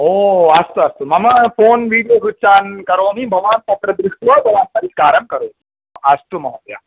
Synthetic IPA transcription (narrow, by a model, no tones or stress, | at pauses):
oast̪uast̪umɐmɐfʰoːnʋiːɽijoːsut͡ʃaːnkɐɾoːnĩbʱɐʋaːnp̪ɐpɾɐd̪ɾɪʂʈ̪uʋɐbʱɐʋaːnpɐɾikaːɾɐmkɐɾoːki | ast̪umɐɦɐt̪ja̰ː